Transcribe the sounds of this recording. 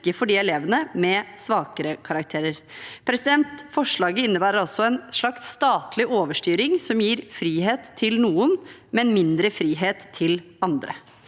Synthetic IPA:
kːəfɔɖiːɛleːʋənəmɛsʋɑːkəɾəkʰɑɾɑk̚t̪ʰeːɾəɾ | pʰɾɛsɪd̪ɛnt̪fɔʂɭɑːɡəɪnːəbæːɾəɾɔsɔɛnʂɭɑkst̪ɑːt̪lɪʔoːʋəʂʈyːɾɪŋsɔmjiːɾfɾiːɦeːt̪ʰːɪlnuːənmɛnmɪnd̪ɾəfɾiːɦeːt̪ʰːɪl | ɑnd̪ɾə̰

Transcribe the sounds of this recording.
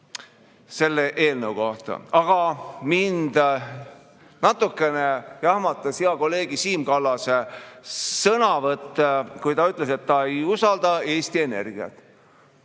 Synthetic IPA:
se̞lːe̞ʔeːlnewko̞ht̪ɑ̰ɑɡ̥ɑmind̪ | nɑt̪ːˑukːˑe̞nejɑhmɑt̪ːˑɑsiɑko̞lːe̞ːɡisiːmkɑlːɑse | sɤnɑvɤt̪ːekujt̪ɑyt̪ːˑle̞se̞t̪ːɑe̞jusɑld̪ɑe̞ːst̪ie̞ne̞rɡ̥iɑ̰t̪ːˑ

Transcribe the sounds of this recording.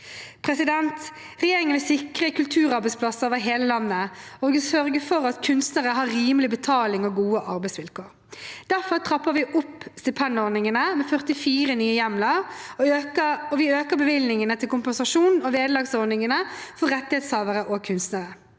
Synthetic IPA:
pʰɾɛsɪd̪ɛnt̪ | ʁɛjeːɾɪŋənʋɪsɪkʁəkʉlt̪ʰʉːʁɑɾbɛɪspʰlɑsəʁoːʋəɦeːləlɑnːəɔɡɪsœɾɡəfɔɾɑt̪kʰʉnst̪nəʁəɦɑɾɾiːməlɪbət̪ʰɑːlɪŋɔɡuːəʔɑɾbɛɪsʋɪlkʰoːɾ | d̪̥æɾfɔʁt̪ʰɾɑpːəɾʋɪʔʊpːst̪ɪpʰɛnd̪ɔɾnɪŋənəmɛfœʁt̪ɪfiːɾənyːəjɛmlə | əɔʋɪøːkəɾbəʋɪlnɪŋənət̪ʰɪlkʊmpɛnsɑʂuːnn̩ɔʋeːd̪əlɑːɡsɔɾnɪŋənəfɔɾʁɛt̪ːɪhɛːt̪shɑːʋəɾəʔɔkʰʉnst̪nəɾə

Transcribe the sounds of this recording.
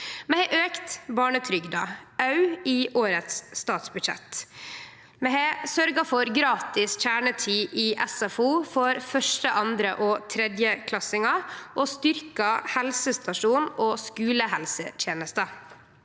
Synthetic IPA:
mɛheʔøːkt̪bɑːɳət̪ʰɾʏɡd̪ɑɑʉiːʔoːɾət̪sːt̪ɑːt̪sbʉd̪ʂɛ̰t̪ | mɛɦeːsœɾɡɑfɔɾɡɾɑːt̪ɪsc͡çæːɳət̪ʰiːʔiːʔɛsɑfuːfɔɾfœʂʈəʔɑnd̪ɾə̰ʔoːt̪ʰɾɛd̪jəkʰlɑsɪŋɑʔoːst̪ʏɾkɑhɛlsəst̪ɑʂuːnoːskʉːləɦɛlsət̪ʰjeːnəst̪ə

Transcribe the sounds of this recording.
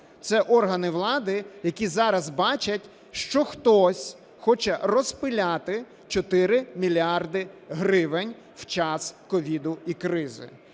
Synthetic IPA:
t̪sɛʔɔrɦɐnɪʋlˠɑd̪ɪjɐkʲizɑɾɐzbɑt͡ʃɐtʲ | ʃt͡ʃɔxt̪ɔsʲ | xɔt͡ʃɛrɔspɪlʲɑt̪ɪ | t͡ʃɔt̪ɪɾɪmʲilʲiɑrd̪ɪɦɾɪʋɪnʲ | w̥t͡ʃɑskɔʋʲid̪ʊikɾɪzɪ̰

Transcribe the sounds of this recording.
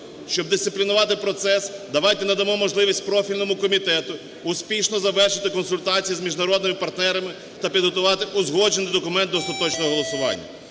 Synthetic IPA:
ʃt͡ʃɔb̚d̪ɪst̪sɪplʲinʊʋɑt̪ɪpɾɔt̪sɛsd̪ɐʋɑjt̪ɛnɐd̪ɐmɔmɔʒlˠɪʋʲisʲt̚ʲpɾɔfʲilʲnɔmʊkɔmʲit̪ɛt̪ʊː | spʲiʃnɔzɐʋɛrʃɪt̪ɪkɔnsʊlʲt̪ɑt͡sʲijizmʲiʒnɐɾɔd̪nɪmɪpɐrt̪nɛɾɐmɪ | t̪ɐpʲid̪ɦɔt̪ʊʋɑt̪ɪʔʊzɦɔd͡ʒenɪjd̪ɔkʊmɛnt̪ːɔst̪ɐt̪ɔt͡ʃnɔɦɔɦɔlˠɔsʊʋɑ̰nʲːɐ̰

